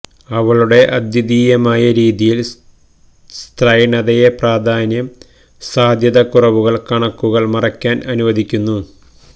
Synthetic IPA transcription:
ɐʋɐɭuɽe̞ʔɐd̪jɐd̪iːjɐmaːjɐɾiːðijil | st̪rɐjɳɐðɐjepraːd̪ʱaːnjɐm | saːd̪ʱjɐðɐkurɐʋuɣɐɭkɐɳɐkːuɣɐɭmɐrɐkʲːaːnʔɐnuʋɐd̪ʱikʲːunːu

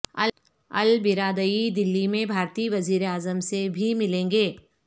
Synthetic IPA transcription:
ɐ̰ | ɐ̰lbɪɾaːd̪əid̪ɪlːimẽbʱaːɾt̪iːʋɐziːɾeaːzəmsebʱimɪlẽːŋɡeː

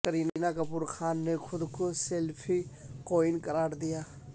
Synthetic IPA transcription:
kəɾiːninakɐpuːɾxaːnːexʰʊd̪koselpʰiqoːɪnkɐɾaːɾd̪ijaː

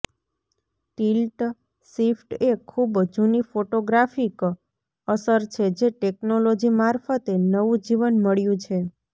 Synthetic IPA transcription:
ʈilʈ | sifʈekʰubd͡ʒunifoʈoɡɾafik | əsəɾt͡ʃʰed͡ʒeʈeknolod͡ʒimaɾfət̪enəʋũd͡ʒiʋənməɭjũt͡ʃʰe

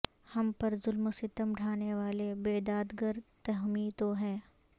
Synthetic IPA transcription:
hɐmpɐɾzʊlmʊsɪt̪əmɖʱaːneʋaːlebeːd̪aːd̪ɡəɾt̪ɐɦmit̪oɦɛː

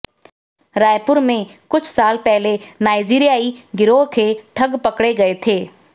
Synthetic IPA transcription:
ɾaːjpʊɾmẽkʊt͡ʃʰsaːlpɛɦlenaːɪd͡ʒiːɾijaːiɡɪɾoɦkʰeːʈʰɐɡpɐkɽeɡɐet̪ʰeː

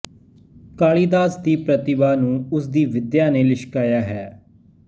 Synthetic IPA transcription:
kaːɭiːd̪aːsd̪iːpɾət̪ɪbaːnũːʊsd̪iːʋɪd̪jaːneːlɪʃkaːjaːɦɛː

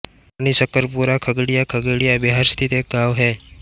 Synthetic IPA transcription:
añisəkːəɾpuɾakʰəɡɽijakʰəɡɽijabiɦaɾst̪ʰit̪eːk̚ɡʱaʋɦɛː

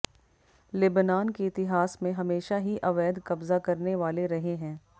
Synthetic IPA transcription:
lɪbnaːnkeɪt̪ɪɦaːsmẽɦɐmeːʃaɦiʔɐʋɛːd̪kɐbzakɐɾneʋaːleɾɐɦeɦɛ̃ː

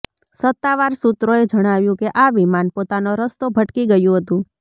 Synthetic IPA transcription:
sət̪ːaʋaɾsut̪ɾoed͡ʒəɽ̃aʋjũkeʔaʋimanpot̪anoɾəst̪obʱəʈkiɡəjũɦət̪ũ

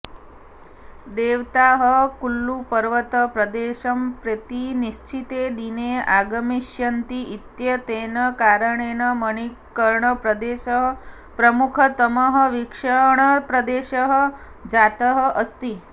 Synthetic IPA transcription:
d̪eʋt̪aɦəkulːupəɾʋət̪əpɾəd̪eʃɐmpɾət̪iniʃt͡ʃʰit̪ed̪ineaɡəmiʃjɐnt̪iʔit̪jɐt̪enəkaɾəɳenəməɳ̃i | kəɾɳəpɾəd̪eʃəɦ | pɾəmukʰət̪əməɦəʋikʂəɳəpɾəd̪eʃəɦə | d͡ʒat̪əɦəʔəst̪iː

